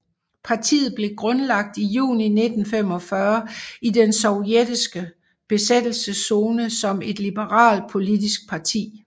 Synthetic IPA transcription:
pʰɑ̈t͡sʰḭːð̞̩ˠb̥le̝ɡ̥ʁɔ̽nlɑ̈ɡ̥̚d̥ijṵːnine̝d̥n̩fem̰ɒ̽fɶɐidensɒʊjed̥isɡ̥ə | b̥e̝sed̥l̩səso̝ːnəsɒ̽me̝d̥lib̥əʁɑ̰̈ːld̥̚pʰo̝lidisɡ̥̚pʰɑ̈t͡sʰḭː

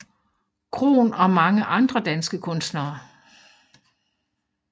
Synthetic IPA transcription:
kʰʁo̝̰ːnɒ̽mɑ̈ŋəʔɑ̈nd̥ʁɐd̥ænsɡ̥əkʰɔ̽nsd̥nɐː

